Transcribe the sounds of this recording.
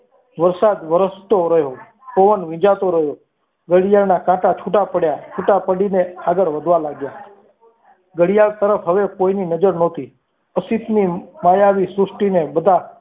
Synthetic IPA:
ʋəɾsaːd̪ʋəɾəst̪oɾəɦjo | koʋənʋɪ̃d͡ʒat̪oɾəɦjoː | ɡəɽɪjalnaːkãːʈat͡ʃʰuʈapəɽjaːt͡ʃʰuːʈapəɽiːneaːɡəɾʋəd̪ʱʋalaːɡjaː | ɡəɽɪjaɭt̪əɾəpʰɦəʋekoininəd͡ʒəɾnoːt̪iː | əsit̪nimaːjaʋisʊsʈinebəd̪ʱa

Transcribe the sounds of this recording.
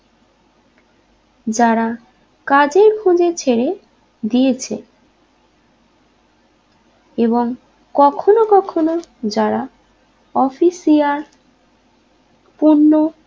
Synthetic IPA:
d͡ʑaɾa | kad͡ʑeɾkʰũd͡ʑet͡ɕʰeɾe | d̪iet͡ɕʰḛ | eboŋ | kɔkʰonokɔkʰonod͡ʑaɾa | ɔfisiaɾ | puɾnːo

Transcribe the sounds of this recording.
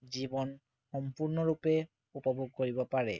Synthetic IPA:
zibɔn | xɔmpuɹnɔɹupɛ | upɔboɡ̚koɹibɔpaɹɛ̰

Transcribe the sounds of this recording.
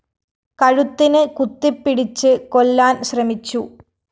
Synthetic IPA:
kɐɻut̪ːinɨkut̪ːipːiɽit͡ɕːɨkolːaːnɕrɐmit͡ɕːu

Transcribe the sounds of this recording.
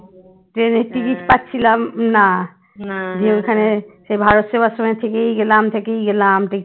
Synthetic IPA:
ʈɾeneɾʈikiʈpatːɕʰilamna | d͡ʑeojkʰaneʃejbʱaɾot̪ʃebaʃomaet̪ʰekejɡelamt̪ʰekejɡelamʈi

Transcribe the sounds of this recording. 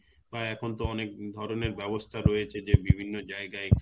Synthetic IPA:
baɛkʰont̪oɔnek̚d̪ʱɔɾoneɾbɛbost̪ʰaɾojet͡ɕʰed͡ʑebibʱinːod͡ʑaeɡae

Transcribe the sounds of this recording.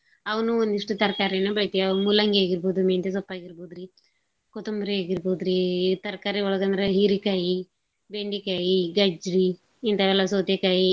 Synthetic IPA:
ɐʋɐnuond̪iʂʈut̪ɐɾkaːɾinupɾɐt̪iɐmulɐŋɡeːɡiɾboːd̪umeːnt̪es̬ɐpːaːɡiɾboːd̪ɾi | kɔt̪umbɾieːɡiɾboːd̪ɾit̪ɐɾkaːɾiɔɭɐɡɐnd̪ɐɾeɦiɾikaːji | beɳɖikaːjiɡɐd͡ʒɾi | int̪ɐʋɛːlɐsoːt̪ekaːji

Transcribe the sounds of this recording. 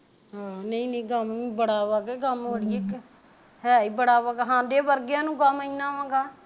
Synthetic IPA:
ɦaːnəĩːnə̃ːɡəmibəɽaːʋaːɡɛːɡəməɽiek | ɦɛːiːbəɽaːʋaɡɦãːd̪eːbəɾɡjãːnũːkəməĩnãːʋãːɡaː

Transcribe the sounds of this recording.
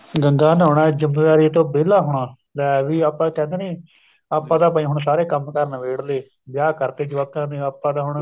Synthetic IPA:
ɡəŋɡaːnɦoːɽãːd͡ʒəmːeːʋaːɾiːt̪õːbeːlaːɦʊɳaː | lɛːʋiːaːpːãːkɛ̃ːnd̪eːniː | aːpːãːd̪aːp̬aːĩːɦʊɳsaːɾeːkəmkəɾnʋeːɽleː | bjaːkəɾt̪eːd͡ʒəʋakʰːãːnẽːaːpːãːd̪aːɦʊɳ

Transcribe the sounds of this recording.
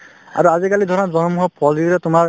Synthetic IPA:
a̰ɹuazikalidʱɔɹɔnɔzɔnɔmuɦɔpʰɔldiɾɔtʊmaɹ

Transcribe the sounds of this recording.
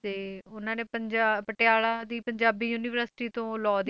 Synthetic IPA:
t̪eːʊnãːneːpəɲd͡ʒapəʈɪjaːɭaːd̪iːpəɲd͡ʒaːbiːjuːniːʋəəɾsɪ̥ʈiːt̪õːlɔːd̪

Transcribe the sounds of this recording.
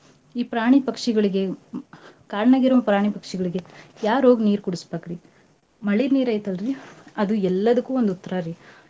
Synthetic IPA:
iːpɾaːɳipɐkʂiɡɐɭiɡe̞ | kaːɾɐɳɐɡiɾɐmɐpɾaːɳ̃ipɐkʂiɡɐɭiɡe̞jaːɾo̞ːɡniːɾkuɽispaːkɾi | mɐɭiɾniːɾɐjt̪ɐlɾiɐd̪uɛlːɐd̪ɐkːuːond̪ut̪ːɐɾaɾi

